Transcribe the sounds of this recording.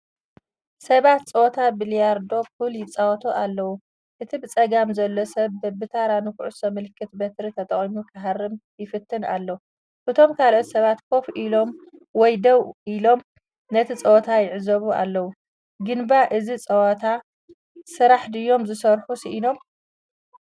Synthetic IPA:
sɐβat̪t͡sʼɐwt̪ʰabilijaɾd̪o̞kuljɪt͡sʼawɐt̪ʰoʔalːɐwu | ʔɨt̪ʰibɨt͡sʼɐɡamzɐlːo̞sɐβd̪ɐbɨt̪ʰaɾanɨkʰuʕusɐmɨlkʰːɨt̪bɐt̪ɾit̪ʰɐt̪ʼɐχʼimukʰɐɦarːɨmjɪfɨt̪ʰːɨna̰lːɐw | ʔɨt̪ʰo̞mkʰalʕot̪sɐβat̪kʰo̞fʔilo̞mwɔjd̪ɐwʔilo̞m | nɐt̪ʰit͡sʼɐwt̪ʰajɪʕzɐβua̰lːɐwu | ɡɨnbaʔɨzit͡sʼɐwɐt̪ʰa | sɨɾaħd̪ɨjːo̞mzɨsɐɾħusiʔino̞m

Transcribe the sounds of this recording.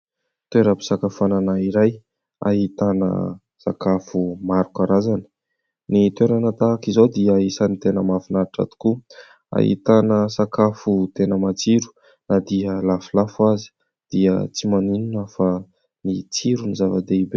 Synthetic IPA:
t̪weɾəpi̥sakafananaiɾaj | a̰ɦit̪anə̰ | sakafumaɾukaɾazanə̥ | nit̪weɾanat̪akizod̪iəisanit̪enəmafunaɾiʈ͡ʂa̰t̪u̥ku | a̰ɦḭt̪anəsakafut̪enəmat͡siɾu̥ | nad̪iəlafilafuazi̥ | d̪̥iət͡simanininafa | nit͡siɾunizavad̪eibe

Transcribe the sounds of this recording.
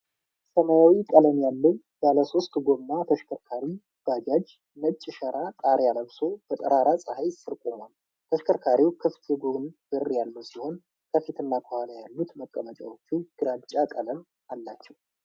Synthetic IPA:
səmajawikʼələmjalːəw | baləso̞st̪ɡo̞mːat̪ʰəʃkʰəɾkʰaɾi | b̥ad͡ʒad͡ʒ | nət͡ʃʼːɪʃəɾʔat̪ʼaɾjaləβso̞fʰət̪ʼəɾaɾasʼəhajsɨɾkʼomal | t̪ʰəʃkʰəɾkʰaɾiwkʰɨft̪ʰeɡonb̥ɨrjalːusiho̞n | kʰəfit̪ʰɨnːakʰohalajalːut̪məkʼːəmət͡ʃʼa̰wot͡ʃːuɡ̥ɨɾat͡ʃʼakʼələm | alːat͡ʃːɛw

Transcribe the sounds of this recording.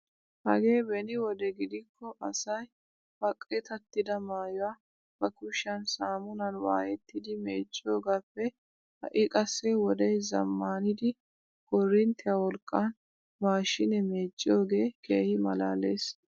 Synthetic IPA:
hɐ̰ɡe̞ːbɛnɪwɔd̪ɛɡɪd̪ɪkːɔʔɐsɐj | bɐkʼːɪt̪ɐt̪ːɪd̪ɐmaːjʊwa | b̥ɐkʊʃɐnsaːmʊnɐnwa̰ːjɛt̪ːɪd̪ɪme̞ːt͡ʃʼːo̞ːɡaːpːɛ | hɐ̰ʔɪkʼɐsːɛwɔd̪ɛjzɐ̰mːaːnɪd̪ɪ | ɡɔrːɪnt̪ːɛjawɔlkʼːan | waːʃɪnɛmeːt͡ʃʼːoːɡe̞ːkeːhɪmɐlaːleːs

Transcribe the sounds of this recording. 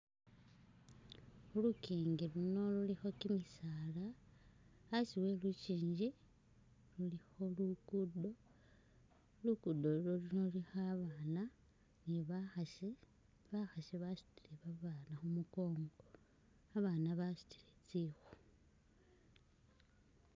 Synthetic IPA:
xulukiːŋɡiluno̞lulixo̞kimisaːlaː | siwe̞lut͡ʃiːɲd͡ʒi | lulixo̞lukudo | lukudo̞uɾoluno̞lixaβaːna | niβaxae | βaxaseβasu̥tiɾeβaβaːnaxumuko̞ːŋɡo̞ | aβanaβasu̥ti̥ɾet͡sixu̥

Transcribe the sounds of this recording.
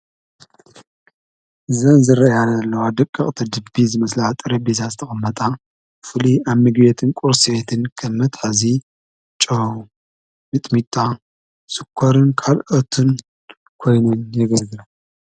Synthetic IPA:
zɐnzɨɾɐjanɐlːɐwad̪ɐkʼːɨχʼt̪ʰid̪ɨbːizɨmɐslaat̪ʼɨɾɐbizazɨt̪ʰɐχʼɐmːɐt̪ʼa | fɨliaβmɨɡbet̪ʰɨnkʼuɾsiβet̪ʰɨnkʰɐmːɐt̪ħazi | t͡ʃʼɐ | mɨt̪ʼmit̪ʼa | sɨkʰːoɾɨnkʰalʔot̪ʰɨn | kʰo̞jnunjɛɡɐlɡɨla

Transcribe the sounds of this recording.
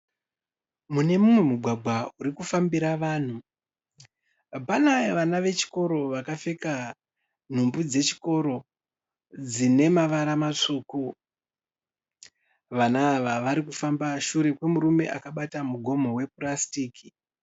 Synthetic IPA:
mune̞mumwe̞muɡʱwaɡʱwauɾikufambiɾaʋaːn̤u | panajʋanaʋe̞t͡ʃi̥ko̞ɾo̞ʋakafeka | n̤umbud͡ze̞t͡ʃi̥ko̞ɾo̞ | d͡zine̞maʋaɾamat͡ʂoːko | ʋanaːʋaʋaɾikufambaʃuɾe̞kwe̞muɾume̞̰ʔakaɓatamuɡʱo̞mo̞we̞purastiːki

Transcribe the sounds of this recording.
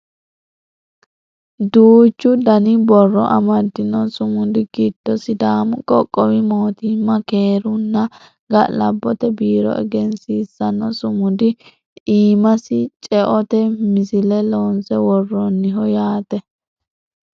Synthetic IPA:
d̪uːt͡ʃːʊd̪ɐnɪbɔrːɔʔɐ̰mɐd̪ːɪnɔsʊmʊd̪ɪɡɪd̪̥ːɔsɪd̪aːmkʼɔkʼːɔwɪmoːt̪imːɐkeːɾʊnːɐ | ɡɐlɐ̰bːɔt̪ɛbiːɾɔ̰ɛ̰ɡɛnsiːsːɐnɔsʊmʊd̪ɪ | iːmɐsɪt͡ʃʼɛʔɔt̪ɛmɪsɪlɛloːnsɛwɔrːɔnːɪɦɔjaːt̪ɛ

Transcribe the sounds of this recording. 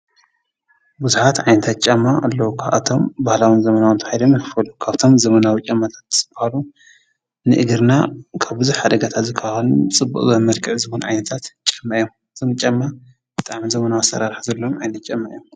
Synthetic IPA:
buzuħat̪ʕajnɐt̪ʰat̪̚t͡ʃʼɐmːaʔalːɐwukʰaβʔa̰t̪ʰo̞mbahlawɨnzɐmɐnawnt̪ʰɐhajd̪omjifɨfɐlukʰaβt̪ʰo̞mzɐmɐnawit͡ʃʼɐmːat̪ʰḁt̪ːsɨbahalu | nɨʔɨɡɨɾnakʰaβbɨzujħad̪ɐɡat̪ʰat̪zɨkʰːaxɐlut͡sʼɨbːṵʔʼzɐmmɐlkʰɨʕzɨhonʕajnɐt̪ʰat̪t͡ʃʼɐmːaʔjomɨt̪ʰomt͡ʃʼɐmːa | b̥ɨt̪ʼaʕmizɐmɐnawasɐ̰ɾaɾħazɐlːomʕajnɐt̪̚t͡ʃʼɐmːaʔjom

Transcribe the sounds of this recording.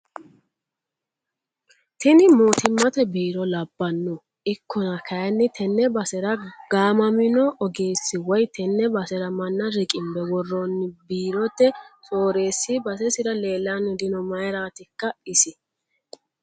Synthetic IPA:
t̪ɪnɪmoːt̪ɪmːɐt̪ɛbiːɾɔlɐbːɐnːʊ | ɪkːɔnɐkʰɐjɐnːɪt̪ʰɛnːɛbɐsɛɾɐɡ̥aːmɐmɪnɔʔɔɡeːsːɪwɔjt̪ɛnːɛbɐsɛɾɐmɐnːɐɾɪkʼɪmbɛwɔrːɔnːɪbiːɾɔt̪ːɛt͡sʼoːɾe̞ːsːɪbɐsɛsɪɾɐleːlːanʊd̪ɪnɔmɐjɾaːt̪ɪkːɐɪsɪ

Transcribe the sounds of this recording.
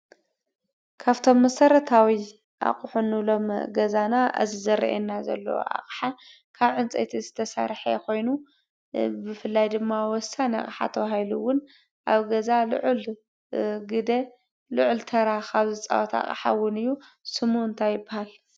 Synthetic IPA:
kʰaβt̪ʰo̞mːɐsɐɾɐt̪ʰawi | ʔa̰χʼħunːɨlo̞mɡɐzanaʔa̰zizɐɾɐ̰ʔḛnːazɐ̰lːɐ̰wo̰ʔa̰χʼħa | kʰaβʕɨnt͡sʼḛt̪ʰizɨt̪ʰɐsa̰ɾħḛkʰo̞jnu | bɨfɨlːajd̪ɨmːawɔsanɐ̰χʼħa̰t̪ʰɐβahiluwʊn | ʔaβɡɐzal̰ʕl | ɡɨd̪e | lʊʕlt̪ʰɐɾaxaβzɨt͡sʼa̰wɔt̪ʰa̰χʼħa̰wʊnɨjːu | sɨmuɨnt̪ʰajːɪbːahal

